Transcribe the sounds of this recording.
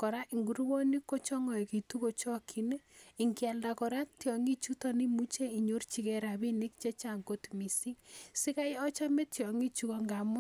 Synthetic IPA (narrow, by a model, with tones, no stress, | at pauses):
kɔ˨ɾa˦ʔi˨ŋɡu˨ɾwo˦ni˦kːo˦t͡ʃɔ˦ŋɔ˨jki˨tu˦ko˨t͡ʃɔ˦kʰi˨n˦i˨ŋkja˨lda˨kɔ˨ɾa˦tjɔ˨ŋi˦t͡ʃu˦tɔ˦ni˦mu˦t͡ʃe˦i˨ɲo˦rt͡ʃi˦kɛ˨ɾa˨bi˦ni˦k̚t͡ʃe˦t͡ʃa˨ŋko˦tmi˨si˦ŋsi˦ka˦jɔ˦t͡ʃa˦me˦tjɔ˨ŋi˦t͡ʃu˦kɔ˦ŋɡa˨mʊ˦